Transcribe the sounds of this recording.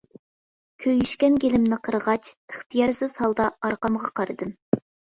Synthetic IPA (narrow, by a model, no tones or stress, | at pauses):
kʲʰøjyʃkʲɛnɡʲelɪmnɪqʰəɾʁɑt͡ʃəχt̪ʰijɑɾsɪz̥hɑlˠd̪ɑɑɾqɑmʁɑqʰɑɾɨd̪ɨm